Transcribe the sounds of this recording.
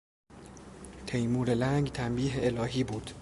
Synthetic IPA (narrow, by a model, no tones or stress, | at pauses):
t̪ʰejmuːɾelæŋɡt̪ʰæmbiːɦeelɒːɦiːbuːd̪̥